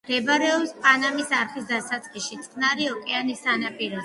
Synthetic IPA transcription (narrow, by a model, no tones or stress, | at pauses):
ɛbaɾɛɔpspʼanamisaɾχisd̪asat̪sʼχiʃit̪sʼqʼnaɾiɔkʼɛanisanapʼiɾɔ